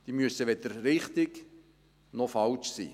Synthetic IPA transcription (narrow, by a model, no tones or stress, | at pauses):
d̥iːmyəsəʋɛd̪əɾːɪχt̪ɪk | nɔfɑlt͡ʃsḭː